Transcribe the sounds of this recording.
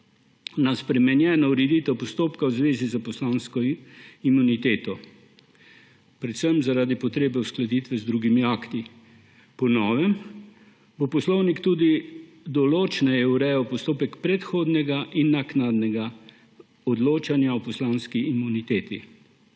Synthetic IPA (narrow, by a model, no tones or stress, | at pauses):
naspɾɛmɛnjɛːnɔuɾɛd̪iːt̪ɛwpɔst̪oːpkawzʋeːzizapɔslaːnskɔimunit̪eːt̪ɔ | pɾɛt̪səmzaɾaːd̪ipɔt̪ɾeːbɛwsklad̪iːt̪ʋɛzd̪ɾuːɡimiaːkt̪i | pɔnɔːʋɛm | bopɔslɔwnikt̪uːd̪i | d̪ɔloːt͡ʃnajɛuɾɛjɔpɔst̪oːpɛkpɾɛt̪xoːd̪nɛɡaʔinːaknad̪nɛɡa | ɔd̪loːt͡ʃanjaɔpɔslaːnskiːmunit̪eːt̪i